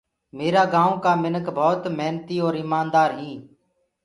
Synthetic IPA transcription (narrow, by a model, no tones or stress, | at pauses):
meːɾaːɡãːõːkaːmɪnəkbʱoːt̪mɛːnt̪iːoːɾɪmaːnd̪aːɾɦĩː